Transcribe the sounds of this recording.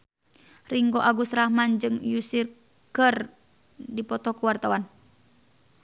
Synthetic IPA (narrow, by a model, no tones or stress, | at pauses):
riŋɡoʔaɡusrahmand͡ʒɨŋjusir | kər | dipɔt̪ɔkuwart̪awan